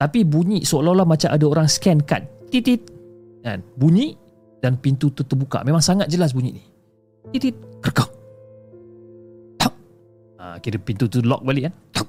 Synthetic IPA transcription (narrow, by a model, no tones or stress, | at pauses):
t̪apibuɲiʔsoolɔlamat͡ʃamʔa̰daoɾaŋskɛnka̰nt̪it̪it̪̚ | a̰nbuɲiʔ | d̥anpint̪ut̪ut̪əbuka̰mẽmaŋsaŋat̪̚d͡ʒəlas̬buɲḭʔnih | t̪it̪it̪̚kərkɔk̚ | t̪ɔk̚ | a̰kiɾəpint̪ut̪ulɔ̰k̚baliʔkant̪ɔk̚